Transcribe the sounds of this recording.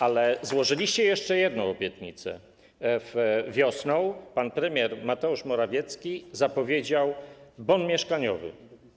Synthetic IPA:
ʔalɛzwɔʐɘlʲiɕt͡ɕɛjɛʂt͡ʂɛjɛd̪nɔ̃w̃ɔbʲjɛt̪ɲit̪sɛ̰ | vvʲjɔsnɔ̃w̃panpɾɛmʲjɛɾmat̪ɛuʂmɔɾavʲjɛt̪skʲizapɔvʲjed͡ʑawbɔnmʲjɛʂkaɲɔvɘ̰

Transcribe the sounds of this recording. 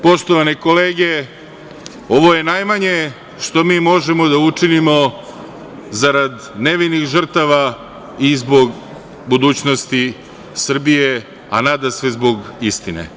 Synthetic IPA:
po̞st̪oʋaneko̞leːɡe̞ | o̞ʋo̞je̞najmaɲe̞ | ʃt̪o̞miːmo̞ʒemo̞d̪aut͡ʂinimo̞ | zaɾad̪ | neʋinixʒər̩t̪aʋa | izbo̞ɡ | bud̪uːt͡ɕno̞st̪i | sr̩bije | a̰nad̪asʋezbo̞ɡist̪inḛ

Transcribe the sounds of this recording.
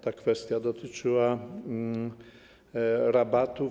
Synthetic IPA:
t̪akfɛst̪ʲjad̪ɔt̪ɘt͡ʂɨwa | ɾabat̪u

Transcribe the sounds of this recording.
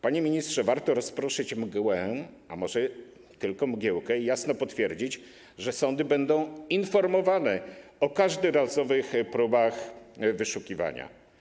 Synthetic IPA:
paɲɛmʲiɲistʂɛvaɾt̪ɔɾɔspɾɔʂɘt͡ɕmɡwɛ | amɔʐɛ | t̪ɘlkɔmɡʲjɛwkɛjasnɔpɔt̪fʲjɛɾd͡ʑit͡ɕ | ʐɛsɔnd̪ɘbɛnd̪ɔ̃w̃infɔɾmɔvanɛɔkaʐd̪ɪɾazɔvɘxpɾubaxvɘʂukʲiva̰ɲa̰

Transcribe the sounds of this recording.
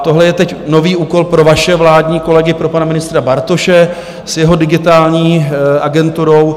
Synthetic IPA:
t̪o̞ɦlɛjɛt̪ɛc | no̞viːʔuːko̞lpɾo̞vaʃɛvlaːdɲiːko̞lɛɡɪpɾo̞panamɪnɪst̪ɾabaɾt̪o̞ʃɛ | sjɛɦo̞dɪɡɪt̪aːlɲiːʔaɡɛnt̪uɾo̞w

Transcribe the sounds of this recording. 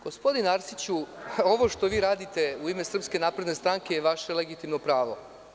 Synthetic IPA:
ɡ̥o̞spo̞d̪inaɾsit͡ɕuo̞ʋo̞ʃt̪o̞ʋiːɾaːd̪it̪e̞uime̞sr̩pske̞naːpɾed̪nest̪ɾaŋkejeʋaʃe̞leɡit̪imnopɾaːʋo̞

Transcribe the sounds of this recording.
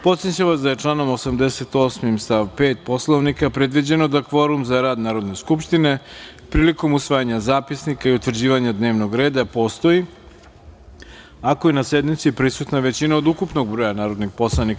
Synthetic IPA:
po̞t̪sint͡ɕaʋad̪ajet͡ʂlˠaːno̞mosamd̪ese̞t̪o̞ːsmimst̪aʋpeːt̪̚po̞slˠoʋnikapɾe̞d̪ʋid͡ʑe̞nod̪akfoɾumzaɾaːd̪naːɾod̪ne̞skupʃt̪ine̞ | pɾiːliko̞musʋajaɲazaːpisnikaiut̪ʋr̩d͡ʑiːʋaɲad̪ne̞ːʋno̞ɡɾe̞ːd̪apo̞ːst̪o̞ji | akojenased̪mit̪sipɾisut̪naʋe̞t͡ɕinaod̪ukupno̞ɡbɾojanaːɾod̪niɡpo̞slˠaʋnik

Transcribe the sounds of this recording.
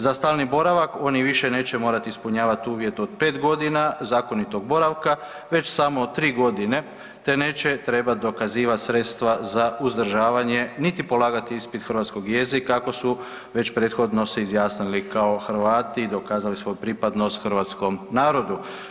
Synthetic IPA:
zast̪aːlˠnibo̞ɾaʋako̞niʋiʃene̞ːt͡ɕemo̞ɾat̪iːspuɲaːʋat̪iuːʋje̞t̪od̪pe̞ːt̪ɡo̞d̪inazaːko̞nit̪o̞ɡ̚bo̞ɾaʋka | ʋe̞t͡ɕsamot̪ːɾiːɡo̞d̪ine̞ | t̪e̞neːt͡ɕet̪ɾe̞bat̪̚d̪o̞kaziːʋat̪sɾe̞t̪st̪ʋazauzd̪r̩ʒaːʋaɲe̞nit̪ipo̞laːɡat̪iispit̪xɾʋat̪sko̞ɡje̞zikaako̞su | ʋe̞t͡ɕpɾeːt̪xo̞d̪no̞seizjaːsnilikao̞xɾ̩ʋaːt̪iːd̪o̞kaːzalisʋo̞jupɾipad̪nost̪xɾʋaːt̪sko̞mnaːɾo̞d̪u

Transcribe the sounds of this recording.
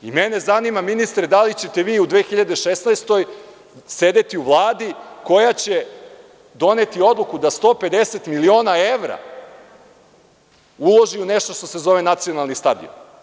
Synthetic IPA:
ime̞ne̞zanimaminist̪ɾed̪alit͡ɕe̞t̪e̞ʋiːud̪ʋexiʎad̪eʃesnajst̪o̞j | sed̪e̞t̪iuʋlˠaːd̪iko̞jat͡ɕe | d̪o̞ne̞t̪io̞d̪lˠukud̪ast̪o̞ːpe̞d̪e̞se̞t̪milio̞ːnae̞ʋɾa̰ | ulˠo̞ʒiune̞ʃt̪o̞ʃt̪o̞se̞zo̞ʋe̞nat̪sio̞nalˠnist̪ad̪ḭom

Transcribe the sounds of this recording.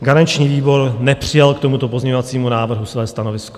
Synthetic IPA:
ɡaɾant͡ʃɲiːviːbo̞ɾnɛpr̝̥ɪjalkt̪o̞mut̪o̞po̞zɲeɲovat͡siːmunaːvr̩ɦusvɛːst̪ano̞vɪsko̥

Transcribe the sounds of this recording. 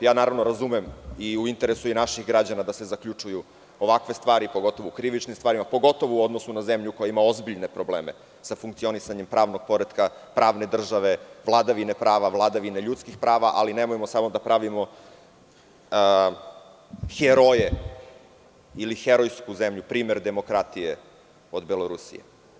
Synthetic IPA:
jaːnaːɾaʋno̞ɾazumemiuint̪e̞ɾesuinaʃixɡɾad͡ʑanad̪ase̞zakʎut͡ʂuju | oʋakʋe̞st̪ʋaːɾipoɡo̞t̪o̞ʋoukɾiʋit͡ʃnimst̪vaːɾimapo̞ɡo̞t̪o̞ʋuo̞d̪nosunazemʎuko̞jaimaozbiʎne̞pɾo̞bleːme̞̰ | safuŋkt̪sio̞nisaɲempɾaːʋno̞ɡ̥̚po̞ɾed̪ka | pɾaːʋne̞d̪r̩ʒaʋe̞ʋlˠad̪aʋine̞pɾaːʋavlˠad̪aʋineʎut̪skixpɾaːʋaʔalinemojemo̞samod̪apɾʔaʋimo̞ | xeɾoje | ilixeɾo̞jskuze̞mʎupɾiːme̞ɾd̪e̞mo̞kɾat̪ije | o̞d̪belo̞ɾusḭjḛ

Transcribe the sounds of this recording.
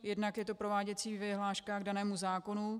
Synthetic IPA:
jɛdnakjɛt̪o̞pɾovaːɟɛt͡siːvɪɦlaːʃkaɡdanɛːmuzaːko̞nu

